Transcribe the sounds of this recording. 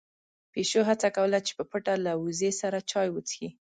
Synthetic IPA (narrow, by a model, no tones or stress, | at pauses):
peʃoɦat͡sakawəlat͡ʃe̥pəpəʈalawuzesaɾat͡ʃɑjwət͡sxi